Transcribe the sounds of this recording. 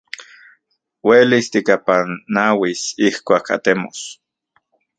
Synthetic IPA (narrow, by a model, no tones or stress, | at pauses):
welist̪ikapanːawisihkʷaːkʰa̰t̪emo̰s